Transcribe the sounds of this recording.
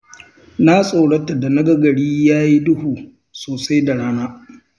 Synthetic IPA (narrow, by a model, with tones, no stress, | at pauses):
na˦sʼo˨ɽɐ˦tːa˨da˨nɐ˦ɡɐ˦ɡɐ˨ɽiː˦jaː˦ji˦dʊ˦huː˨ | soː˨sa˦jda˨ɽaː˦naː˦